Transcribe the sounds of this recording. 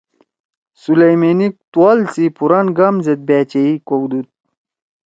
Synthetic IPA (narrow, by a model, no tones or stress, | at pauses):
sulejmenik̚t̪walsipuɾɐnɡɐmzet̪̚bæːt͡ɕeikowd̪ut̪̚